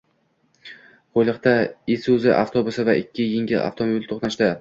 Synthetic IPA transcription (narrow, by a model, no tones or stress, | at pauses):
qʰojlˠɨqt̪aesuzɪʔa̰ft̪ʰobʊsɪvaʔɪkʲʰːɪjɪŋɡʲɪla̰ft̪ʰomobilt̪ʰoχnaʃt̪a